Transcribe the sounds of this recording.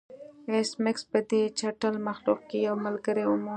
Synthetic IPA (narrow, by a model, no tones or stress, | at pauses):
esmɪkspəd̪et͡ʃaʈəlmaxluq̚kejawməlɡəɾeʊmo